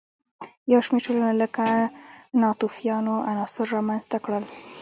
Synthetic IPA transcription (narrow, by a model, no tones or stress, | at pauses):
jawʃmeɾʈolanaləkanɑt̪ufijɑnoʔanɑsɪɾːɑmanzt̪akɽəl